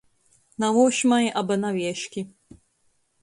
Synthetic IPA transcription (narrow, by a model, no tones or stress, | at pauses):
nawuɕmaʔabɘnavʲjɛɕkʲi